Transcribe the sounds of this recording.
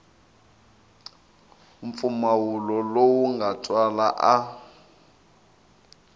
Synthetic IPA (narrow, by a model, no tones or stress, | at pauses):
uɱ̩p̪fumawulɔlowuŋɡatʼwalaʔa